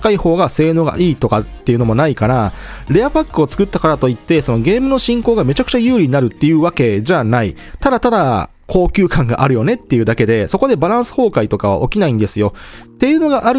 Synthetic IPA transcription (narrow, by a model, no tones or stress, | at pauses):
kaiho̞ːɡase̞ːno̞ːɡa̰ʔiːt̪o̞kat̪ːejɯ̟no̞mo̞naikana | ɾe̞apakːɯo̞t͡sɨ̥kɯ̟t̪ːakaɾat̪o̞it̪ːe̞so̞no̞ɡe̞ːmɯ̟no̞ɕĩŋkoːɡame̞t͡ɕakɯ̟̥t͡ɕajɯ̟ːɾʲiɲinaɾɯ̟t̪ːe̞jɯ̟βake̞ʑanai | t̪ad̪at̪ad̪a | kʰo̞ːkʲɨːkãŋɡa̰ʔaɾɯ̟jo̞ne̞t̪ːe̞jɯ̟ːd̪ake̞d̪e̞so̞ko̞d̪e̞baɾãɰ̃sɨ̥ho̞ːkait̪o̞kaβ̞a̰ʔo̞kʲinaĩnd̪e̞sɨjo̞t̪ːe̞jɯ̟ːno̞ɡaʔaɾɯ